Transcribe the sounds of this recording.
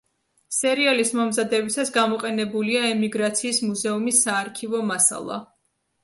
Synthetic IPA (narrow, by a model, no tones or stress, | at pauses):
sɛɾialismɔmzad̪ɛbisasɡamɔqʼɛnɛbuliaɛmiɡɾat̪sʰiːsmuzɛumisːaːɾkʰivɔmasa̰lˠa̰